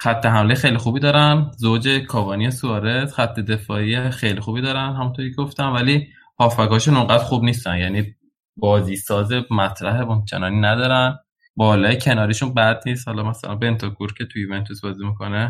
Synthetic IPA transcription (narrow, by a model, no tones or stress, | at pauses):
xæt̪ʰːe̞ɦæmlejexejlixuːbiːd̪ɒːɾænzod͡ʒe̞kʰɒːbɒːnijesuɒːɾet̪χæt̪ʰːe̞d̪e̞fɒːijexejlixuːbid̪ɒːɾænɦæmunt̪ʰoɾicʰeɡoft̪ænvæliː | hɒːfæɡɒːʃunoŋɡæd̪ɾχuːbniːst̪ænjæniː | bɒːziːsɒːze̞mæt̪ʰɾæɦemont͡ʃʰenɒːniːnæd̪ɒːɾæn | bɒːlɒːjecʰe̞nɒːɾiʃunbæd̪niːst̪hɒlɒmæsæ̰lænbe̞nt̪ʰokʰuɾcʰʲe̞t̪ʰujuvent̪ʰusbɒːzimikʰo̞ne